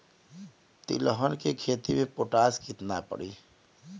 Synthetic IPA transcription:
t̪ḭləɦənkekʰet̪imʱepoʈaskit̪napə̰ɽi

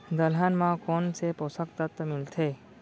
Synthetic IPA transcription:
d̪əlɦanmãkonseposəkt̪ət̪əmilt̪ʰe

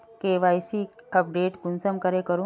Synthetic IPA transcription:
keʋajsikəp̚ɖeʈkunsəmkəɾekəɾu

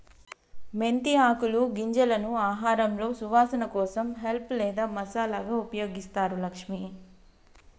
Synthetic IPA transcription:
me̞nt̪iaːkuluɡiɲd͡ʒɐlɐnuaːɦaːɾɐmlo̞ːsuʋaːsɐnɐkɔːsɐmɦe̞lplɛːd̪aːmɐsaːlaːɡaːupɐjo̞ːɡist̪aːɾulɐkʂmi

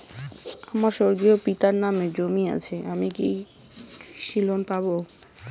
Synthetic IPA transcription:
amaɾʃoɾɡiopit̪aɾnamed͡ʑomia̰t͡ɕʰeamiki | ʃilonpabo

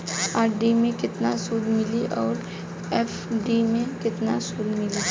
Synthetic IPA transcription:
aːɾɖimẽkɪt̪nasuːd̪mɪliʔɔːɾ | ɛfɖimẽkɪt̪nasuːd̪mɪli

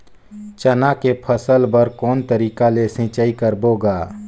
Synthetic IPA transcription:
t͡ʃənakepʰəsəlbəɾkɔːnt̪əɾiːkalesɪ̃ːt͡ʃaikəɾboːɡaː

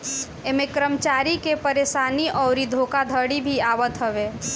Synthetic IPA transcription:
emẽkɾəmət͡ʃaːɾikepəɾeːsaːniʔɔːɾid̪ʱoːkad̪ʱəɽibʱiaːʋət̪ɦəʋe

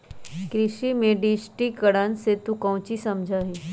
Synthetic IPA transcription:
kɾɪʃimẽɖisʈikəɽanset̪ukə̃w̃t͡ɕisɐmd͡ʒʱaɦĩ

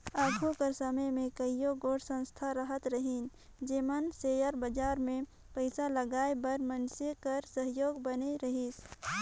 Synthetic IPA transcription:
aːɡʱukəɾsəməjmẽkəijoɡoːɽsə̃nst̪ʰaɾəɦət̪ɾəɦin | d͡ʒeːmənseːjəɾbəd͡ʒaːɾmẽ | pəɪsaləɡaːebəɾmənsekəɾsəɦjoːɡbəneɾəɦis

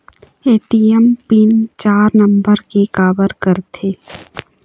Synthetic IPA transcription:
eːʈiɛmpint͡ʃaːɾnə̃mbəɾkikaːbəɾkəɾt̪ʰeː

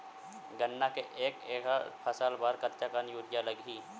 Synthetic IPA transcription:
ɡənːakeʔeːkeːkapʰɐsaːlbaːɾkəɾt͡ʃakanjuːɾjalɐɡʱiː

